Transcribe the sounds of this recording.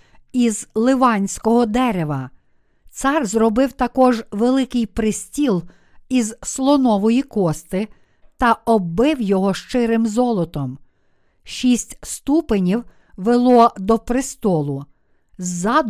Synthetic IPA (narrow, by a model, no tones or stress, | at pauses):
izlˠɪʋɑnʲsʲkɔɦɔd̪ɛɾeʋɐ | t̪sɑrzɾɔbɪwt̪ɐkɔʒʋelˠɪkɪjpɾɪsʲtʲilˠ | izslˠɔnɔʋɔjikɔst̪ɪ | t̪ɐɔbɪwjɔɦɔʃt͡ʃɪɾɪmzɔlˠɔt̪ɔm | ʃʲisʲtʲst̪upɪnʲiw | ʋelˠɔd̪ɔpɾɪst̪ɔlˠʊ | zːɑd̪